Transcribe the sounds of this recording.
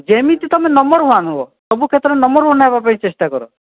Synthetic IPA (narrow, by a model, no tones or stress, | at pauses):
d͡ʒemit̪it̪ɔmenɔmbɔɾɦuanuɔt̪ɔbukʰet̪ɔɾenɔmbɔɾɦunaɦebapaĩt͡ʃest̪akɔɾɔ